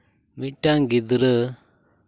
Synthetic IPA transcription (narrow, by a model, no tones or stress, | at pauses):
miʈːaŋɡid̪ɾɯ